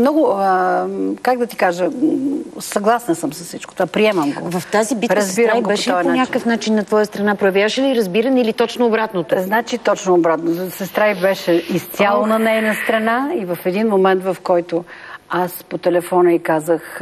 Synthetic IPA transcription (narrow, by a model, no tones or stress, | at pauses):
mnɔɡʊəkaɡ̚d̪ɐt̪i̥kaʒə | sɐɡlˠasnɐsəmsɐsit͡ʃkot̪vapɾiɛmɐmɡo̰vɐft̪azibitɾɐzbiɾabɛʃɛiɔjɐnpoaɲʲakəfnat͡ʃinːɐt̪vɔjəst̪ɾɐnapɾojɛvʲjavəʃɛliɾɐzbiɾɐnilit̪ɔt͡ʃnoːbɾat̪not̪oznat͡ʃit̪ɔt͡ʃnoːbɾat̪nozsɛst̪ɾaibɛʃɛist̪sʲjalˠonɐnɛjnəst̪ɾɐnaivɐfɛd̪inmomɛnt̪vɐfkɔjt̪oaspot̪ɛlɛfɔnəikazəx